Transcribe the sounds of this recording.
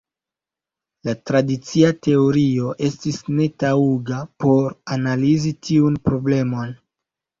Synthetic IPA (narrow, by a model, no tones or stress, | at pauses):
latɾadit͡siate̞oɾio̞ʔe̞stisne̞tauɡapo̞ɾanalizitʰiunpɾo̞ble̞mo̞n